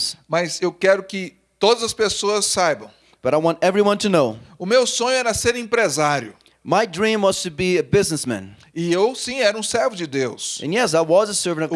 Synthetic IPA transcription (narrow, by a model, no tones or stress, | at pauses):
mɐzewkɛɾʊkɪ | t̪od̪ɐzɐspesoɐsːajbɐ̃w̃ | b̥ʌɾaɪwɑ̃ntɛvɹiwʌ̃ntʰɨnoʊʊmewsõɲʊɛɾɐseɾĩpɾezaɾjʊ̰ | maɪdɹĩmwʌz̥tʰɨbiɨbɪznɨsmæ̰̃n | ɪewsĩɛɾɐũsɛɾvʊd͡ʒɪd̪ewsɨ̃njɛs̬aɪwʌzəsɜ˞vɨ̃nʌ